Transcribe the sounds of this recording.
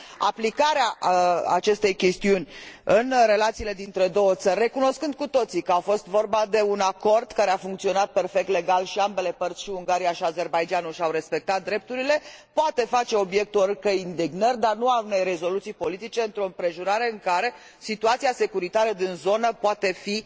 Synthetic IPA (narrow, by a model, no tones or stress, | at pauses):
a̰plikaɾeaa̰t͡ʃe̞st̪e̞jkʲe̞st̪iunʲɨnre̞lat̪siːle̞d̪int̪ɾe̞d̪o̞wət̪sərʲːe̞kuno̞skɨnd̪̚kut̪o̞t̪sikəafo̞st̪vo̞rbad̪e̞unako̞rd̪kaɾe̞afuŋk̚t̪sio̞nat̪̚pe̞rfek̚t̪le̞ɡalʃiambe̞le̞pərt̪sʲʃiuŋɡaɾijaʃiaze̞rbajd͡ʒanuʃawɾe̞spe̞k̚t̪at̪̚d̪ɾe̞p̚t̪uɾile̞poat̪e̞fat͡ʃe̞o̞bje̞k̚t̪uorkəind̪eɡnərʲd̪arnuaune̞jre̞zo̞lut̪sijpo̞lit̪it͡ʃe̞ɨnt̪ɾo̞ɨmpɾe̞ʒuɾaɾe̞ɨŋkaɾe̞ | sit̪uat̪siase̞kuɾit̪aɾəd̪inzo̞nəpoat̪e̞fi